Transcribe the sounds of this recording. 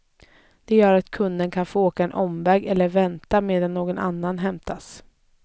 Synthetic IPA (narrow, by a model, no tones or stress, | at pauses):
d̪̥ɛjœːɾat̪kʰɵnd̪ənkʰanfoːoːkaɛnʔɔmvɛːɡɛlːəɾvɛnt̪ameːd̪anːoːɡɔna̰nːanɦɛmt̪ʰas